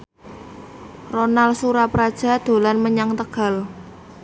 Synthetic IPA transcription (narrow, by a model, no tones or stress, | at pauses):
ronalsuɾapɾad̥ʒ̥a̤d̪̥o̤lanməɲaŋt̪əɡ̥a̤l